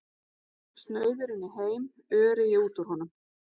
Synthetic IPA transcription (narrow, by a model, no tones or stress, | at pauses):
st̪nœːɥðʏɾɪnːɪɦeːjm | œːɾɪjɛuːt̪ʏɾ̥hɔnʏm